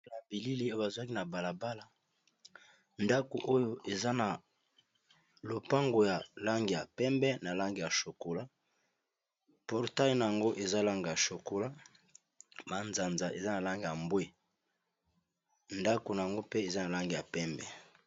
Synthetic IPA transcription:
a˨bi˨li˦li˦o˦o˦ba˨zu˨a˦ki˦na˨ba˨la˨ba˦la˨ | nda˦ko˨ʔo˦jo˦ʔe˨za˦na˨ | lo˨pa˦ŋɡo˨ja˨la˦ŋɡi˨ja˨pɛ˦mbɛ˦na˨la˦ŋɡi˨ja˨ʃo˨ko˨la˦ | pɔ˨ʁta˦ji˨na˨ja˨ŋɡo˦ʔe˨za˦la˦ŋɡi˨ja˨ʃo˨ko˨la˦ | ma˨nza˨nza˨ʔe˨za˦na˨la˦ŋɡi˨ja˨mbwe˦ | nda˦ko˨na˨ja˨ŋɡo˦pe˦e˨za˦na˨la˦ŋɡi˨ja˨pɛ˦mbɛ˨

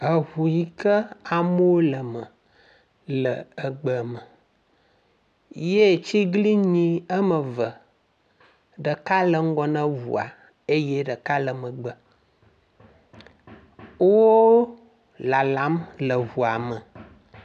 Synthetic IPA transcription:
ə˨ɦu˨ji˨kə˦a˨mo˦wo˦lə˨mə˨ | lə˨ə˨ɡ͡bə˨mə˨ | je˦˨t͡ʃi˦ɡli˦ɲĩ˦ə˦mə˨və˨ | ɖə˨ka˦lə˨ŋ̩˦ɡɔ˨nə̃˦vṵ˨a̰˨ | e˦je˦ɖə˨ka˦lə˨mə˨ɡ͡bə˨ | o˦wo˦ | la˨la˨˦mlə˨vu˨a˨mə˨

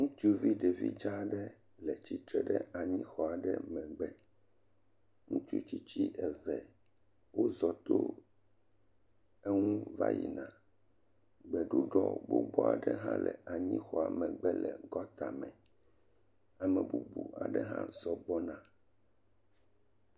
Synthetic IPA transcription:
ŋũ˦t͡ʃu˦˨vi˦ɖɛ˨vi˦d͡ʒa˦ɖɛ˦ | lɛ˨t͡ɕi˨t̪ɾɛ˨ɖɛ˦a˨ɲĩ˦xɔ˨a˨ɖɛ˦mɛ̃˨ɡ͡bɛ˦ | ŋũ˦t͡ʃu˦t͡ɕi˦t͡ɕi˦ʔɛ˨vɛ˨ | wo˦zɔ˨t̪o˦ | e˦ŋũ˦va̰˦jḭ˨nã˨ | ɡ͡bɛ˨ɖu˦ɖɔ˦bo˦bɔ˦a˨ɖɛ˦ɦã˦lɛ˨a˨ɲĩ˦xɔ˨a˨mɛ̃˨ɡ͡bɛ˦lɛ˨ɡɔ˦t̪a˨mɛ̃˨ | a˨mɛ̃˨bu˨bu˨ʔa̰˨ɖɛ˦ɦã̰˦zɔ˨bɔ˦nã˦

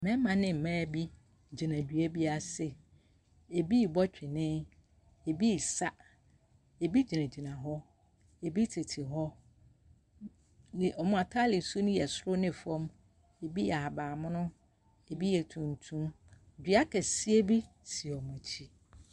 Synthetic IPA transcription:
mɛ̃˦mã˨nɪ̃˦m̩˨mãː˦˨bi˦ | d͡ʑi˨nã˨dɥe˦bi˦a˦sɪ˨ | e˨bi˦˨bɔ˦t͡ɕᶣɪ˨nɪ̃˦ | e˨bi˦˨sa˦ | e˨bi˦d͡ʑi˨nã˨d͡ʑi˨nã˨ɦɔ˦ | e˨bi˦tʰɪ˨tʰɪ˨ɦɔ˦˨ | ʔɔ˨mʊ̃˦a˨tʰa˦lɪ˨su˦nʊ̃˦jɛ˨sʊ˦ɾʊ˦nɪ̃˨fɔ̃˦m | e˨bi˦ja˨ha˨baː˨mʊ̃˦nʊ̃˦ | e˨bi˦jɛ˨tʰũ˨n˨tʰũ˦m | dᶣɥa˦kɛ˨si˦e˦bi˦ | si˨ɔ˨mʊ̃˨t͡ɕʰi˦

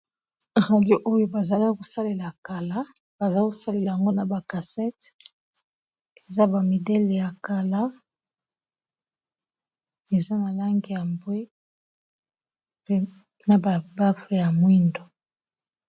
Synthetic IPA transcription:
ʁa˨djo˦ʔo˦jo˦ba˨za˨la˦ko˨sa˦le˨la˨a˨ka˨la˦ | b̥a˨za˦ko˨sa˦le˨la˨ja˨ŋɡo˦na˨ba˨ka˨sɛ˦t | e˨za˦ba˨mi˨dɛ˦le˨ja˨ka˨la˦ | e˨za˦na˨la˦ŋɡi˨ja˨mbwe˦ | pe˦ | na˨ba˨ba˦fle˨ja˨mwi˦ndo˨

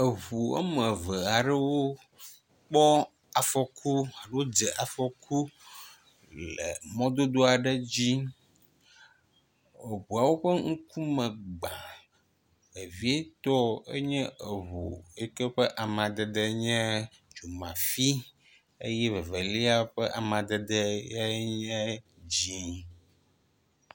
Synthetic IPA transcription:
ə˨βu˨ə̰˦mə̃˨və˨a˨ɖɛ˦wo˦ | k͡pɔ˦ | a˨fɔ˨kʰu˦a˨ɖwo˦d͡zɛ˨ʔa˨fɔ˨ku˦ | lə̰˨mɔ̃˦d̪o˦d̪o˦a˨ɖə˦d͡ʑi˦ | e˨βu˨a˨wo˦ɸə˦ŋ̩˦ku˦mə̃˨ɡ͡ba˨ | e˨vi˦e˦t̪ɔ˦ḛ˦ɲɛ̃˦ə˨βo̰˨e˦kɛ˦ɸə˦ʔa˨mã˨d̪ɛ˨d̪ə˦ɲɛ̃˦ | d͡ʒo˨mã̰˨fi˦ | e˦jɛ˦və˨və˨li˦a˦ɸə˦ʔa˨mã˨d̪ɛ˨d̪ɛ˦a˦ɲɛ̃˦d͡ʑĩ˦

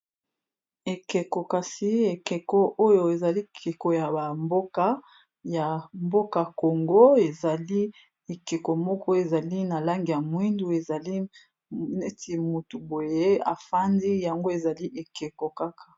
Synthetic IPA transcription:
e˨ke˨ko˨ka˨si˦e˨ke˨kɔ˦ʔo˦jo˨e˨za˨li˦kʰe˨ko˨ja˨ba˨mbo˦ka˦ | ja˨mbo˦ka˨ko˨ŋɡo˦e˨za˨li˦ | e˨ke˨ko˨mɔ˦kɔ˦e˨za˨li˦na˨la˦ŋɡi˨ja˨mwi˦ndu˨e˨za˨li˦ | ne˦ti˨mu˨tu˨bo˨je˦a˨fa˦ndi˦ja˨ŋɡo˦e˨za˨li˦ʔe˨ke˨ko˨ka˦kʰḁ˨

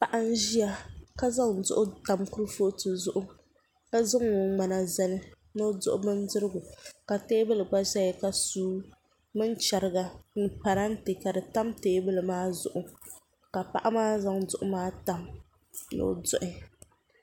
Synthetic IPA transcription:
pa˨ʔa˦n̩˦ʒi˦a˦ka˦za˦ŋ˨zʊ̰˦ʔʊ˦ta˨mkʊ˦ɾɨ˦fo˦tɨ˨zʊ˦ʔʊ˦ | ka˦zɨ˦ŋːo˨ŋ͡ma˨na˨zɛ˦lɨ˦ | no˦dʊ̰˦ʔʊ˦mɨ˦n˦dɨ˦ɾɨ˦ɡʊ˨ka˨teː˦bɨ˦lɨ˨ɡ͡ba˦ʒa˦ɪ˨ka˨suː˦ | mɨ˦nt͡ʃa˨ɾɨ˦ɡa˨nɨ˦pa˨ɾa˦n̩˦tɨ˨ka˨dɨ˨ta˦mteː˦bɨ˦lɨ˨maː˦zʊ̰˨ʔʊ˨ | ka˨pa˦˨ʔa˦maː˦za˦ŋdʊ˨ʔʊ˦maː˦ta˨m | no̰˦dʊ˦ʔɪ˦

